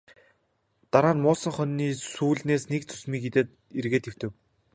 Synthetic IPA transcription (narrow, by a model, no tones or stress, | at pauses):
t̪aɾaːnmʊːsə̆ɴχœnːiːsuːɮneːsnek̚t͡sʰɵ̥smiːket̪et̪ | erɣeːt̪ew̥t̪ɘ̆w